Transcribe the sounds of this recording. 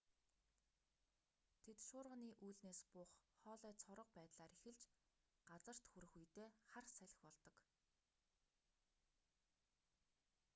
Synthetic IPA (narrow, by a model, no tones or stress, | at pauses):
t̪ʰet̪ʃʊːrʁə̆niːʔuːɮneːspʊχχɔːɮœːt͡sʰɔɾə̆q̚pæːt̪ɮaːɾixɘ̆ɮt͡ɕ | ɢat͡sə̆r̥t̪xuɾɘ̆xujt̪eːχarsæɮʲɪ̆xpɔɮt̪ɞ̆k